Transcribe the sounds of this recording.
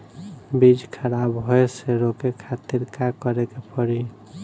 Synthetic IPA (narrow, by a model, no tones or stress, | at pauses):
bid͡ʒkʰəɾabɦoeseɾokekʰat̪iɾkakəɾekepʰəɾi